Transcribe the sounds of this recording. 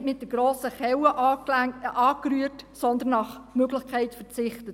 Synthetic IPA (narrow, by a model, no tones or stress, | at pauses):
tmɪt̚d̥əɡ̥ɾoːsəχɛwəʔ | ɑːkɾyətsɔnd̪ənːɑχmøɡlɪχkʰɛɪtfəɾt͡sɪχtət